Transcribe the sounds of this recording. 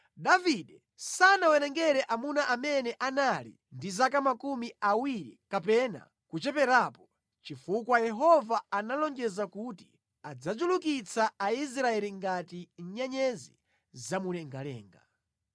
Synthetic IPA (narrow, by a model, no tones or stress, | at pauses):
ɗaviɗɛ | sanawɛnɛŋɡɛɾɛʔamunaʔamɛnɛʔanalḭ | ndizak̬amakumiawiɾḭkapɛna̰ | kut͡ʃɛpɛɾapɔ | t͡ʃifukwajɛɦɔvaanalɔŋd͡ʒɛzakuːti̥ | ad͡zad͡ʒulukit͡sʰaais̬ɾaɛliŋɡatiɲ̩ɲɛɲɛzḭ | zamunɛŋɡalɛ̰ːŋɡa̰